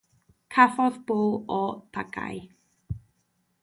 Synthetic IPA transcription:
kʰafɔðb̥oːlɔb̥ʰaɡa̰j

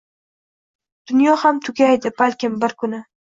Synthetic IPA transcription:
d̪̥ʊnjɒhamt̪ʰʊɡʲajd̪ɪbalʲkʲɪmbɪɾkʰʊnɪ

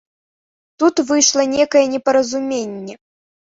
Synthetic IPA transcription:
t̪ut̪vɨjʂlˠɐnʲekɐjɛnʲɛpɐɾɐzumʲenʲːɛ

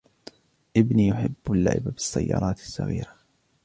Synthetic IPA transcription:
ʔɪbniːjʊħɪbːalːa̰ʕɪbabɪsːajːɑːɾˤɑːt̪ɪ̥sːɑɣḭːɾa

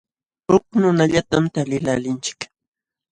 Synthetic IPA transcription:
hʊknʊnaʎat̪amt̪alɪlalɪnt͡ʃɪ̥k

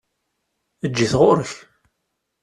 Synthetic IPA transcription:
əd͡ʒːiθʁʊɾəç

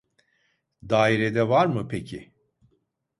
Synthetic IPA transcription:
d̪aːiɾɛd̪ɛvaɾmɯpʰecʰi

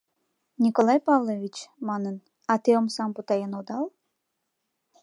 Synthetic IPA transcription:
nʲikolˠɑjpɑvlˠoʋʲit͡ɕmɑnən | ɑt̪ɨomsɑmbut̪ɑjenod̪ɑlˠ

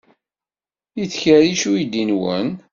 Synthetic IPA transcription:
iθçəɾiʃujid̪inwə̰n

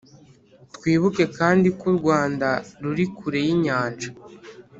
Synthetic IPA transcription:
tkwiːβuke̞kaːndikuɾɡwaːndaɾuɾikuɾe̞jiɲaːnʒa

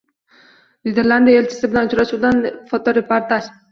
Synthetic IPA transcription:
nid̪eɾland̪ijae̞lt͡ʃʰɪ̥sɪbɪlanʊt͡ʃɾaʃuwd̪anfot̪ʰɒɾepʰoɾt̪ʰaʃ

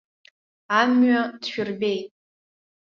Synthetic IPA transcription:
amɥadʃᶣʊrbe̞jtʼ

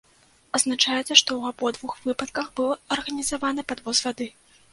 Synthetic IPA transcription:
ɐznat͡ʂajɛt̪sɐʂt̪ɔwabɔd̪vuxv̥ɨpɐt̪̚kɐxbɨlˠɐrɣɐnʲizavanɐpad̪vɔzvʲad̪ɨ

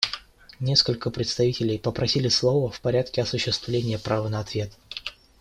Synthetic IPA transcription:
nʲeskəlʲkəpɾʲɪt̪st̪ɐvʲitʲɪlʲɪjpəpɾɐsʲilʲɪslˠovəfpɐɾʲat̪̚kʲɪɐsʊɕːɪst̪vlʲenʲɪjəpɾʔavənəɐt̪vʲe̞t̪

